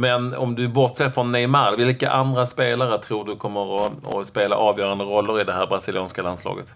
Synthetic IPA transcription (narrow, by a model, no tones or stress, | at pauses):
mɛnɔ̰md̪ɵbɔʈsɛfɾɔnːɛɪmaɾvɪlka̰ʔand̪ɾaspeːlaɾət̪ʰɾuːɖɵkʰɔmːəɾɔɔ̰speːla̰ʔɑːvjœːɾand̪əɾɔlːəɾɪd̪ɛɦæːɾbɾasɪlɪuːnskalanslɑ̰ːɡə̰t̪